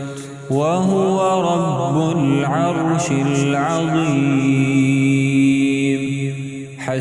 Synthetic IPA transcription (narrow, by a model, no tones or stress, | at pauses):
waɦʊwaɾˤɑbːʊlʕɑɾˤʃɪlʕɑðˤiː | m | ħa